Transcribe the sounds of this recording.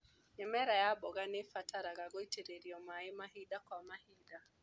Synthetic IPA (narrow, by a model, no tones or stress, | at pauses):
ɛmɛɾajabɔɣanefataɾaɣaɡɔiteɾeɾiɔmaɪmaɦidakwamahida